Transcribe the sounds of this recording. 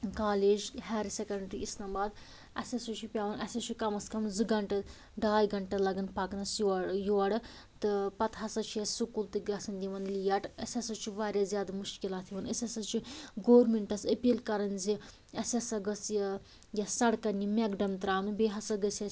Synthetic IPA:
kaːleːd͡ʒɦɛːɾsʲekɐɳɖɾiisnaːmbaːd̪ | ɐ̰sʲɐsɨt͡ʃʰipʲaːʋɐnʔɐsʲɐt͡ʃʰikɐmɐskɐmzɨɡɐɳʈɐ | ɖaːjɡɐɳʈɐlɐɡɐnpaːknɐsjjoɐɽɨ | t̪ɨpɐt̪ɦɐsɐt͡ʃʰijɐsukult̪ɨɡɐsɐnd̪ʲiʋɐnlijɐʈɐsʲɐsɐt͡ʃʰiʋaːɾʲjazjaːd̪ɐmuʃkilaːt̪ʰiʋɐnɐsʲɐsɐt͡ʃʰiɡoːɾmiɳʈɐsəpiːlkɐɾɐnzi | ɐsʲɐsɐɡɐsj | jɐsɐɽkɐnimekɖɐmt̪ɾaːnɨbeːɦɐsɐɡɐsɐ

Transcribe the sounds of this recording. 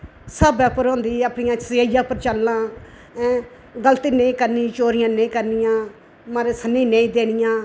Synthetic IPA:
səbɛːpəɾõːnd̪iːəpnɪjãːt͡ʃsaːjãːpəɾt͡ʃəlːãː | ɛ̃ | ɡəlt̪iːneĩːkəɾnit͡ʃoːɾɪjãːnẽĩːkəɾnɪjãː | maːɾeːsənːĩːneĩːd̪eːnɪjãː

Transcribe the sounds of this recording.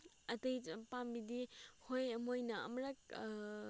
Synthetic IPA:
ɐtɐjpambidihojɐmojnɐɐ̰mɾɐk̚

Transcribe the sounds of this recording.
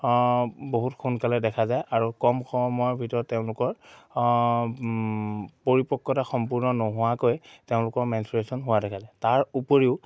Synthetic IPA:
boɦutxʰunkalɛdɛkʰazajʔaɹukɔmxʰɔmɔjɔɹbʱitɔɹɔtːeʊ̃lʊkɔɹ | poɹipɔkːɔtaxɔmpuɹnɔnɔɦʊwakojteʊ̃lʊkɔɹmɛnsuɹesɔnɦʊwadɛkʰazajtaɹupoɹiʊ

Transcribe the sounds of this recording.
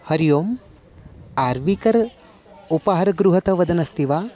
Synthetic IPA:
hɐɾijoːm | aːɾʋikɐɾ | upɐɦɐɾɐɡɾuɦɐt̪ɐʋɐd̪ʱɐnɐst̪iʋaː

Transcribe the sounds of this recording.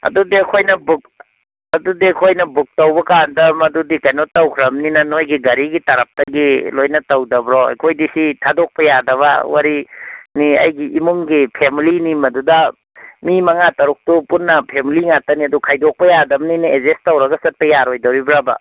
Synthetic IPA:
ɐ̰dudekʰojnɐbuk̚ | ɐdudekʰojnɐbuk̚tɐwbɐkandɐmɐdudikajnotɐwkʰɾɐmninɐnojɡiɡɐɾiɡitɐɾɐp̚tɐɡilojnɐtɐwdɐbɾɔa̰jkʰojdisitʰadok̚pɐjadɐβɐwaɾiniɐ̰jɡiʔimuŋɡipʰemilinimɐdudɐ | mimɐŋatɐɾuk̚tupunːɐpʰemiliŋatɐniɐdukʰajdok̚pɐjadɐbniniezestɐwɾɐɡɐsɐt̚pɐjaɾojdɐwɾibɾabɐ̰

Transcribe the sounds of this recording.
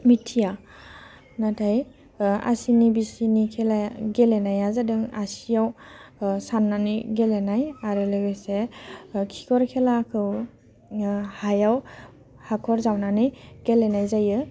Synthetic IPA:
mitʰija | natʰaj | a̰sinibisinikʰelaɡelenajazadɯŋasijaw | sanːaniɡelenajaɾɯlɯɡɯsekʰi̥kʰɔɾkʰelakʰɯw | hajaw | hakʰɔɾzawnaniɡ̥elenajzajɯ

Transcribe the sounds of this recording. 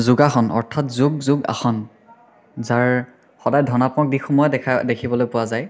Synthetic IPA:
zuɡaxɔnɔ̰ɹtʰatzuɡ̚zuɡa̰xɔn | zaɹ | xɔdajdʱɔnapɔk̚dixumɔjɔdɛdekʰibɔlojpʊwazaj

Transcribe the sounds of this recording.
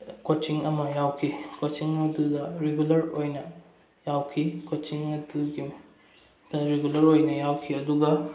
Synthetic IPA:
kot͡ʃiŋɐmɐjawkʰikot͡ʃiŋɐdudɐɾeɡulɐɾojnɐ | jawkʰikot͡ʃiŋɐduɡi | dɐɾeɡulɐɾojnɐjawkʰiɐduɡɐ

